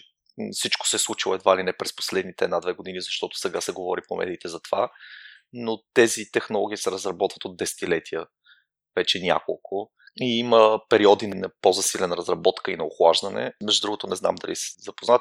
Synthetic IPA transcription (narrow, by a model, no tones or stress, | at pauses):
fsit͡ʃko̥sɛslˠut͡ʃilˠoɛd̪vailinɛpɾɛspo̥slɛd̪nit̪ɛːd̪nad̪vɛɡod̪inizɐʃt̪ɔt̪o̥sɛɡasɛɡovɔɾipomɛ̰d̪iːt̪ɛzɐt̪ova̰ | not̪ɛzit̪ɛxnolˠɔɡ̟iisɛɾɐzɾɐbɔt̪və̥t̪od̪̚ːɛsɛ̥t̪ilɛt̪iə | vɛt͡ʃɛnʲa̰ko̰lˠkʊ | iiməpɛɾiɔd̪innɐpozɐsilɛnɾɐzɾɐbɔt̪kəinɐoxlˠaʒd̪ənɛ̰mɛʒd̪ud̪ɾuɡot̪onɛzna̰md̪ɐlisɛ̥zɐpoznat̪